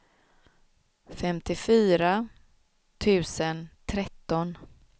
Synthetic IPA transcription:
fɛmt̪ʰɪfyːɾa | t̪ʰʉ̟ːsənt̪ʰɾɛt̪ːɔn

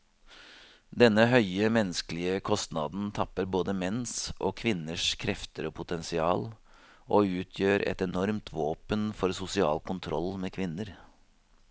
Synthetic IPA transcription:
d̪ɛnːəɦœʏəmɛnːəskəlɪəkʰɔst̪nɑːd̪n̩t̪ʰɑpːəɾboːd̪əmɛnsʔɔ̰ːkʰʋɪnːəʂkʰɾɛft̪əɾɔːpʰʊt̪ɛnsɪɑ̰ːl | ʔoʉːt̪ʰjøːɾɛ̰t̪ɛnɔɾmt̪ʰʋoːpənfɔɾsʊsɪɑ̰ːlkʊnt̪ʰɾɔ̰lːmeːkʰʋɪnːəɾ

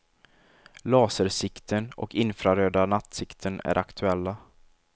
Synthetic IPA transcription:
lɑːsəɾsɪkt̪ʰənɔ̰kʰɪnfɾaɾøːd̪anat̪sɪkt̪ʰənæ̰ɾʔakt̪ʰɵɛlːa

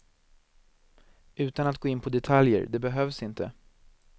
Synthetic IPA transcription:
ʉ̟ːt̪anat̪̚ɡoːɪnːpʰɔd̪ɛt̪ʰaljə̰ɾd̪ɛbɛɦœːvsɪnt̪ə̰

